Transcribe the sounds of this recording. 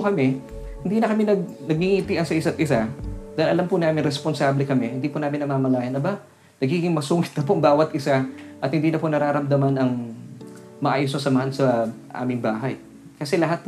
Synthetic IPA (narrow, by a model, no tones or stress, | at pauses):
kɐmɛ | hɪnd̪iːnɐkɐmɛnɐɡ̚nɐɡ̚hiŋit̪iʔɐnsɐʔɪsat̪ʔɪsad̪ɐɪlʔɐlampʊnaːmɪnɾɛsponsaːblɛkɐmɛhɪnd̪iːpʊnaːmɪnːɐmaːmɐlaːjɐnɐba | nɐɡiːɡɪŋmɐsuːŋɪt̪̚nɐpoʔɐŋbaːwɐt̪ʔɪsaʔɐt̪̚hɪnd̪iːnɐponɐɾaːɾɐmd̪ɐmanɐŋ | mɐʔaːjosɐsɐmɐhansɐʔa̰ːmɪŋbaːɦɐj | kɐsɛlɐɦat̪̚p